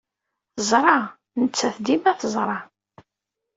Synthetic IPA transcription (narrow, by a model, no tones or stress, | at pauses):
θəzˤɾˤɑ | nət͡sːæθd̪imæθəzˤɾˤɑ